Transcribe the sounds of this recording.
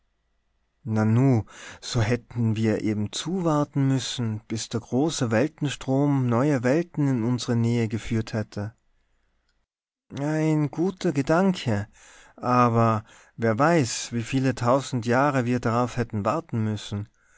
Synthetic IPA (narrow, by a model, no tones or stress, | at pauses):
nanuːz̥oːɦɛtn̩viːɐʔeːbm̩t͡suːvaɐtn̩mʏsn̩b̥ɪsd̥eːɐɡʁoːsəvɛltn̩ʃtʁ̥oːmnɔʏɐvɛltn̩ɪnʊnzəʁənɛːəɡəfyːɐthɛtʰə | ʔʔaɪnɡuːtʰɐɡədaŋkʰə | ʔaːbɐ | veːɐvaɪsv̥iːfiːlətʰaʊzn̩tjaːʁəviːɐdaʁaʊfhɛtn̩vaɐtn̩mʏsn̩